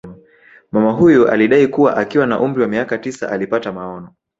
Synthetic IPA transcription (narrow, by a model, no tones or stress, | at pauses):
mamaɦujɔʔa̰liɗaikuwa̰ʔakiwanaʔum̩ɾiwamiakatisa̰ʔalipatamaɔnɔ